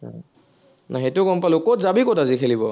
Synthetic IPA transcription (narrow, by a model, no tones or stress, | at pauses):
a | naɦetʊkɔmpalʊkɔtzabikɔtazikʰelibɔ